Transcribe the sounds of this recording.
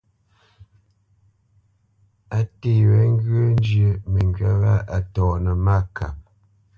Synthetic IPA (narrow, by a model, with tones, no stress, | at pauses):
a˦te˦˨wɛ˨˦ŋ˦ɡə˦n˦d͡ʒjə˨mə˨ŋɡɥa˦ɣa˦a˨tɔ˨ʔnə˨ma˦˨ka̰˨p̚